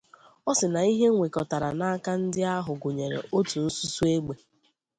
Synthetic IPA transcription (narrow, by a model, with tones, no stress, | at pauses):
ɔ˦sɪ˨na˨i˦ɦe˦ŋʷe˨kɔ˨ta˨ɾa˨na˦a˦ka˦n̩˦dɪ˦a˦ɦʊ˨ɡʊ˨ɲe˨ɾḛ˨ʔo˦tu˨n̩˦su˦su˦e˦ɡ͡be˨